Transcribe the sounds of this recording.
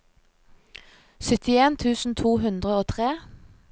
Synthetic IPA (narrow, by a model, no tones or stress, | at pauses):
sʏt̪ɪeːnt̪ʰʉːsn̩t̪ʰuːɦʉnd̪ʁəoːt̪ʰʁeː